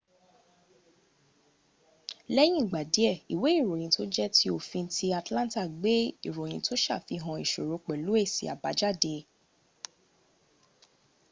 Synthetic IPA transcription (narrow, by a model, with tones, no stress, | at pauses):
lɛ˦j̃ĩ˦˨ɡ͡ba˨de˨˦ɛ˦˨i˨we˨˦i˦˨ɾo˨j̃ĩ˨˧˦to˦d͡ʒɛ˦tʰi˦o˦˨fĩ˧˦ti˦a˨tlã˦ta˦˨ɡ͡be˦i˦˨ɾo˨j̃ĩ˧˦to˦ʃa̰˦˨fi˧ɦã˧i˨ʃo˨ɾo˨˧˦k͡pɛ˨lu˨˦e˦˨sḭ˨a̰˨ba˨˦d͡ʒa˦˨de˧